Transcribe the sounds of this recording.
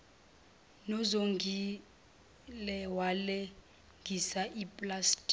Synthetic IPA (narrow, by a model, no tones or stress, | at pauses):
nɔzoŋi | lɛwalɛ | ŋɡʱisaʔipʼlastʼi̥